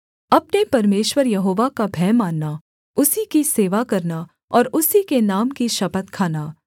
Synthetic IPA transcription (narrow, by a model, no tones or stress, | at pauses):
ɐpnepɐɾmeːʃwəɾjɐɦoːʋakabʱɛːmaːnːa | ʊsikiseːʋakɐɾna | ɔːɾʊsikenaːmkiʃɐpət̪kʰaːnaː